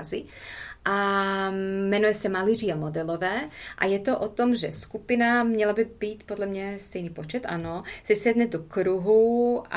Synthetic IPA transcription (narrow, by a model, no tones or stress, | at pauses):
zɪ | ʔa | mɛnujɛsɛmaliriːamod̪ɛlovɛːʔa̰jɛt̪oʔot̪omʒɛ̰skupɪnamɲɛlabɪbiːt̪podlɛmɲɛst̪ɛjniːpot͡ʃɛt̪ʔa̰nosɛsɛdnɛdokɾuɦua